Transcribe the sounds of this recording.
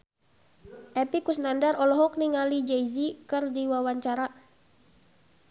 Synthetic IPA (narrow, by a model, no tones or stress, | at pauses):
ʔɛpikusnandarɔlɔɦɔk̚niŋalid͡ʒɛjzikɨrdiwawaɲt͡ʃaɾa